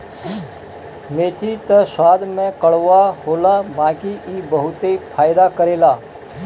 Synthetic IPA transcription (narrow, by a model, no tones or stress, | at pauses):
meːt̪ʰit̪əsaːd̪ʱmẽkəɽ̤ʋahoːlabãːkiʔiːbəɦʊt̪epʰaːjd̪akəɾeːlaː